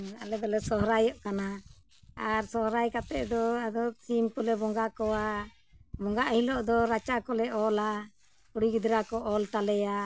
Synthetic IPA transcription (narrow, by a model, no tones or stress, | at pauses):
alɛd̪ɔlɛsɔɦɾajɔʔkana | aɾsɔɦɾajkat̪ɛʔd̪ɔad̪ɔsimkulɛbɔŋɡakɔwa | bɔŋɡaʔhilɔʔd̪ɔɾat͡ʃakɔlɛɔla | puɽiɡid̪ɾakɔʔɔlt̪alɛja